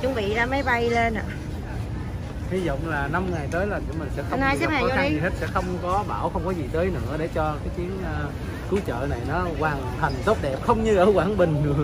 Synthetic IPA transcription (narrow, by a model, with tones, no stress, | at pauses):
t͡ɕʊ˨˦ŋ͡mvḭ˧˨zaː˧mə˨˦jɓa˧jle˧nʔa̰ː˧˨ | hi˨˦zɔ̰˧˨wŋ͡mlaː˨˩na˧mŋa˨˩jt̪əː˨˦jlaː˨˩t͡ɕɨ˧˩mï˨˩ŋ̟sɛ̰˧˥xə˧naː˧jsɛa˦˧˦aː˨kɔ˦˧˦a˨zi˨˩ɦe˦˥t̚sɛ̰˧˥xə˧wŋ͡mkɔ˨˦ɓaː˧˩wxə˧wŋ͡mkɔ˨˦zi˨˩t̪əː˨˦jnɨ̰˧˥əɗe˧˩t͡ɕɔ˧kaː˨˦jt̪i˨˦ənʔəː˧ | kɨ˨˦wt͡ɕə̰ː˧˨na˨˩jnɔ˨˦kwaː˨˩nt̪ʰa˨˩jŋ̟t̪o˦˥t̚ɗɛ˨˩p̚xə˧wŋ͡mɲɨ˧ʔəː˧˩kwaː˧˩nɓï˨˩ŋ̟nɨ˨˩ə